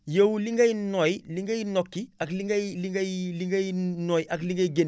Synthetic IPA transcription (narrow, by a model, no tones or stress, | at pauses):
jowliŋɡajnojliŋɡajnokːiakliŋɡajliŋɡajliŋɡajnoːjʔakliŋɡaiɡen